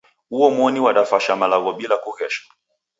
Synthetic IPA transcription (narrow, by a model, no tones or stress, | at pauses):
huɔmwɔniwaɗafaʃamalaɣɔɓilakuɣɛʃḁ